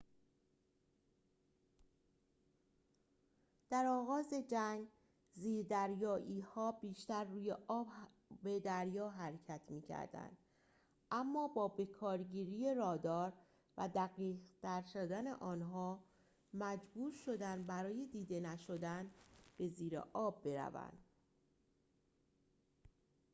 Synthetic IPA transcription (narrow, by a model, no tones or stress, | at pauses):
d̪̥æɾɒːɣɒːze̞d͡ʒæŋɡ | ziːɾd̪æɾjɒːʔiːhɒːbiːʃt̪æɾːuːje̞ʔɒːb | bed̪æɾjɒːɦæɾecʰæt̪ʰmiːcʰæ̰ɾd̪æ̰nd̪̥ | ʔæmːɒːbɒːbe̞kʰɒːɾɟiːɾiːje̞ɾɒːd̪ɒːɾ | væ̰d̪æɣiːʁt̪æɾʃod̪æne̞̰ʔɒːnɦɒː | mæd͡ʒbuːɾʃo̞d̪ænbæɾɒːje̞d̪iːd̪e̞næʃo̞d̪ænb̥e̞ziːɾḛʔɒːbːe̞ɾæ̰væ̰nd̪̥